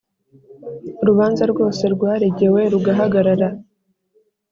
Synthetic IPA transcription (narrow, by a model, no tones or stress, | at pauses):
ɾuβaːnzaɾɡo̞ːse̞ɾɡwaːɾeɟe̞we̞ɾuɡaɦaɡaɾaɾa